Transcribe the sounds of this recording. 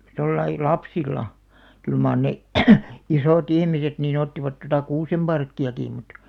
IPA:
tolːɑi lɑpsilˑɑ kyl mɑˑr ne isoˑt ihmiset niːn otːiʋɑt totɑ kuːsemb̥ɑrkːiɑkiˑ mut

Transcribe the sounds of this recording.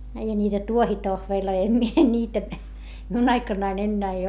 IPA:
eihæ niːtæ tuohitohʋeːlʲloi em mie nʲiːtæ miun ɑikɑnːɑin enːæː ei

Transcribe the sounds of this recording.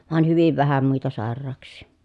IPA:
ʋɑˑen hyʋiʋ ʋæhæ muitɑ sɑˑerˑɑːksˑiˑ

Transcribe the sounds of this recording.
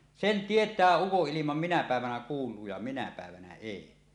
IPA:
sen tietˑæː ukoʔːilimɑm minæ pæˑeʋænæ kuːlˑuː jɑ minæ pæˑeʋænæ eˑi

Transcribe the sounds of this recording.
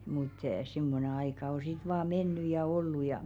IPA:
mut simːone ɑikɑ o sit ʋɑː menːy jɑ olːu jɑ

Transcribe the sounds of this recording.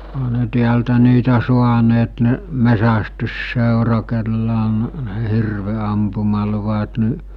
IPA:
ohɑ ne tiæltæ niːtæ suɑneːt ne mesæstysːeˑurɑ kelːæ on ne hirʋeɑmpumɑluʋɑt ni

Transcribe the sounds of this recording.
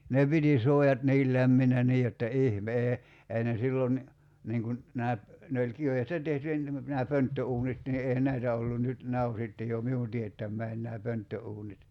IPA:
ne piti suojɑt niːl læmːinæ niː jotːɑ ihmeː ei ne silːon niːŋ kun næː ne olʲ kiʋestæ tehty næː pøntːøuːnit ni eˑihæn næitæ olːun nyt næː o sitːe jo miun tietːæmˑæin næː pøntːøuːnit

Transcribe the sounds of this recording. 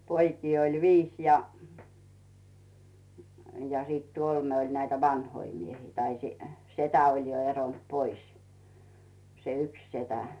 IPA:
poikiː olʲ ʋiːs jɑ jɑ siˑt kolme olʲ næitæ ʋɑnhoi miehiː tɑi setæ olʲ jo eront pois se yks setæ

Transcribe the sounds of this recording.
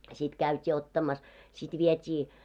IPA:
sit kæytʲiː otːɑmɑs sit ʋietʲiː

